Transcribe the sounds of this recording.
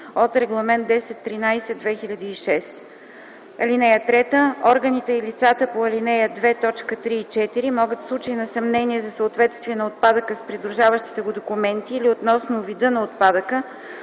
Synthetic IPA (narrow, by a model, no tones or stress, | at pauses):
ot̪ɾɛɡlˠɐmɛnt̪d̪ɛsɛt̪ːɾinajsɛd̪vɛxiʎʲəd̪iːʃɛs | ɐ̰linɛjət̪ɾɛt̪əɔɾɡənit̪ɛilit̪sat̪əpoɐlinɛjəd̪vɛt̪ɔt͡ʃkət̪ɾiːt͡ʃɛt̪iɾimɔɡət̪slˠut͡ʃiinɐsɐmnɛniɛzɐsəot̪vɛt̪st̪viɛnɐot̪̚pad̪əkəspɾid̪ɾuʒavəʃt̪i̥t̪ɛɡʊd̪okumɛnt̪iːliot̪nɔsnʊvid̪ɤnɐot̪̚pad̪əkə